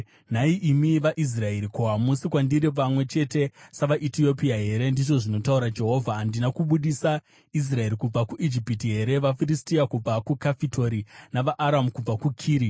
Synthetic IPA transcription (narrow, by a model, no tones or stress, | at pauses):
n̤aiʔimiʋaʔis̬rae̞ɾikoɦamusikwandiɾip̬amwe̞t͡ʃe̞te̞saʋaʔitio̞piaɦe̞ɾe̞ndiʐo̞ʐino̞tauɾad͡ʒe̞ɦo̞vʱaːndinakuɓuɗisa | is̬rae̞ɾikub͡vakuʔid͡ʒipitiɦe̞ɾe̞ʋafiristijakub͡vakukafitʰo̞ɾinaʋaʔaɾamukub͡vakukʰiːɾi